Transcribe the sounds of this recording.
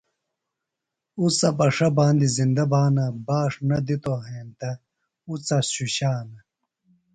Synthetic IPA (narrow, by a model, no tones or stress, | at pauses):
ut͡sɐbɐʂɐbaːnd̪izind̪ɐbaːnɐbaːʂnɐd̪it̪oɦeːnt̪ɐ | ut͡sɐɕuɕaːnɐ